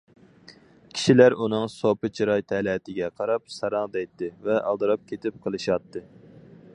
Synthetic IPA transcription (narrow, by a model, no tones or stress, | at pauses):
kʲʰi̥ʃilæɾunɨŋsopɨt͡ʃʰiɾɑjt̪ʰɛlɛt̪ʰɪɡʲɛqʰɑɾɑp̚sɑɾɑŋd̪ɛjt̪ʰːɨvɛʔɑ̰lˠd̪ɨɾɑp̚kʲʰet̪ʰɪp̚qʰəlˠɨʃɑt̪ʰːɨ